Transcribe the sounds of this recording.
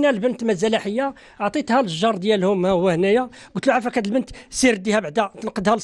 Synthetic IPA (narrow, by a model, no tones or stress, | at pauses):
nælbənt̪mæzælæħəjːa | ʕt̪ˤit̪hælʒːɑɾˤd̪jælhʊmæʊwːæhnæjæ | ɡʊt̪luʕafækæd̪əlbənt̪siɾd̪ːihæbʕd̪æt̪ənqəd̪hæl